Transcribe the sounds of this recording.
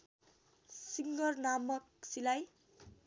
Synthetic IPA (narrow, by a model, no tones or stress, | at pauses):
siŋɡʌrnamʌksilaj